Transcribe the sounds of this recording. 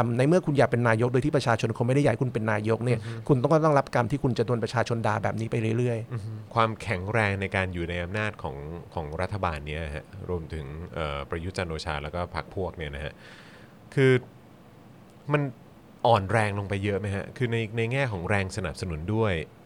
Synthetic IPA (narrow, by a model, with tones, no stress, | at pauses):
mna˧˥jmɯ˥˩ɐkʰu˧njaː˨˩k̚pe˧nːaː˧jo˦˥o˧t̪ʰiː˥˩pɾa˧t͡ɕʰaː˧t͡ɕʰo˧nkʰo˧ma˥˩da˥˩ja˨˦ku˧npe˧nːaː˧jo˦˥k̚ni˥˩ɐkʰu˧nt̪ɔ˥˩ŋ˥˩t̪ɔ˥˩ŋɾa˦˥p̚ka˧mt̪ʰiː˥˩kʰu˧nt͡ɕa˨˩du˧ənpɾa˧t͡ɕʰaː˧t͡ɕʰo˧ndaː˧bɛː˨˩p̚niː˦˥pa˧jɾɯ˥˩ɾɯ˥˩əj̩˧˦kʰwaː˧mkʰɛ˩˦ŋɾɛː˧ŋna˧jkaː˧njuː˨˩na˧jʔa˧mnaː˥˩t̪̚kʰɔ̰ː˩˦ŋkʰɔː˩˦ŋɾa˦˥t̪ʰːa˧baː˧nːi˦˥ɐ˩ha̰˦˥ʔɾu˧əmt̪ʰɯ˩˦ŋʔəː˨˩pɾa˧ju˦˥t̪̚t͡ɕa˧nʔoː˧t͡ɕʰaː˧lɛː˦˥wkɔː˥˩pʰa̰˦˥k̚pʰu˥˩ək̚ni˥˩ɐna˦˥kʰa˦˥ʔ | kʰɯː˧ | ma˧n | ʔɔː˨˩nɾɛː˧ŋlo˧ŋpa˧jːɤ˦˥ʔma˦˥jkʰa̰˦˥kʰɯː˧na˧jna˧jŋɛː˥˩kʰɔː˩˦ŋɾɛː˧ŋsa˧na˨˩p̚sa˧nu˨˩˦ndu˥˩əj